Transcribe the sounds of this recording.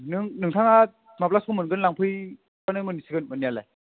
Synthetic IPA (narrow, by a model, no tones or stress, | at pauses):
nɯŋnɯŋtʰaŋa | map̬̚laskʰomɯnɡɯnlaŋpʰɯj | kanɯjmɯnisiɡɯnmɯnːialaj